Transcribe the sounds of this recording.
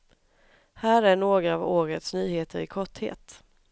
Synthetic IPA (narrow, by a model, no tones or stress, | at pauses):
hæːɾæɳoːɡɾaːvoːɾət̪snyːheːt̪ʰəɾɪ̰kʰɔʈhḛːt̪